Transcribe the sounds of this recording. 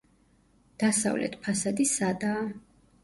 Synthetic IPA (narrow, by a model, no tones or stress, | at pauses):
d̪̥asa̰vlʔɛ̰t̪ʰpʰasad̪isad̪aː